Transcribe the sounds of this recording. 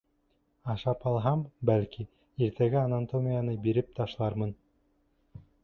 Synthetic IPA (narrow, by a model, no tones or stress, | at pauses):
ɑʃɑpɑlˠɦɑmbælki | iɾt̪ʰæɡæanant̪omʲijanɤbiɾɘp̚t̪ɑʃlˠɑɾmɤn